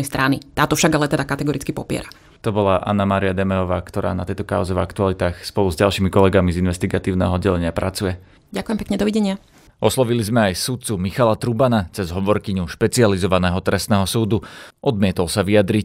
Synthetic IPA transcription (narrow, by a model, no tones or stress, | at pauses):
ɛjst̪ɾanit̪aːt̪ɔfʃaɡalɛt̪ɛd̪akat̪ɛɡɔɾit͡skipɔpɪɛ̰ɾa | t̪ɔbɔlaʔa̰nːamaːɾiad̪ɛmɛɔʋaːkt̪ɔɾa̰ːnat̪ɛjt̪ɔkaʊzɛvakt̪ualit̪aːxspɔluzɟalˠʃiːmikɔlɛɡamizinʋɛst̪iɡat̪iːʊnɛ̰ːɦɔɔdɟɛlɛɲɪapɾʔat͡sujɛ | ɟakujɛmpɛkɲɛd̪ɔʋiɟɛɲɪa | ɔslˠɔʋilizmɛajsut̪̚t͡sumixalat̪ɾubanat͡sɛzɦɔʋɔɾkiɲuʃpɛt͡sializɔʋanɛːɦɔt̪ɾɛst̪nɛːɦɔsuːd̪uʔɔd̪mɪɛt̪ɔlsaʋiad̪ɾic